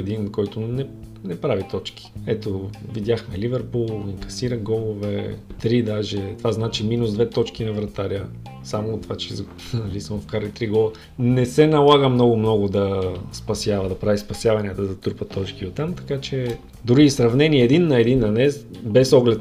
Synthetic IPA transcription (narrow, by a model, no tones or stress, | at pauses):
ɛd̪inkɔjt̪ʊnɛ | nɛpɾavit̪ɔt͡ʃki̥ɛt̪ovid̪ʲjaxmɛlivɛɾpulˠiŋkɐ̥siɾəɡɔlˠovɛ̰t̪ɾid̪aʒɛt̪ovaznat͡ʃiminuzd̪vɛt̪ɔt͡ʃkinɐvɾɐt̪aɾʲə | samot̪vat͡ʃɛz | nɐlisəmfkaɾlit̪ɾiɡɔlˠə | nɛsɛnɐlˠaɡəmnɔɡʊmnɔɡʊd̪ɐspɐsʲjavɐd̪ɐpɾavispɐsʲjavɐnʲiət̪əd̪ɐt̪uɾpət̪ɔt͡ʃkiot̪ːamt̪ɐ̥kat͡ʃɛ | d̪uɾisɾɐvnɛniəɛd̪inːɐɛd̪inːɐnɛzbɛsɔɡlɛt̪